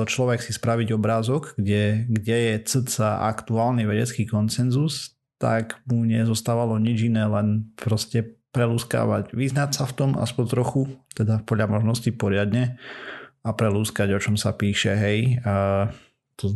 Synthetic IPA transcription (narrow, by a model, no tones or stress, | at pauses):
t͡ʃlɔʋɛksispɾaʋiɟɔbɾaːzɔɡːɟɛɡɟɛjɛt͡sət͡saʔa̰kt̪uaːlniʋɛɟɛt͡skiːkɔnsɛnzus | t̪a̰ɡmuɲɛzɔst̪aːʋalɔɲid͡ʒinɛːlɛnpɾɔscɛpɾɛluːska̰ːʋa̰ɟʋiznatsaft̪ɔma̰spɔɲt̪ɾɔxut̪ɛd̪apɔdʎamɔʒnɔscipɔɾɪad̪ɲɛ | apɾɛluːskaɟɔt͡ʃɔmsapiːʃɛɦɛj | t̪ɔ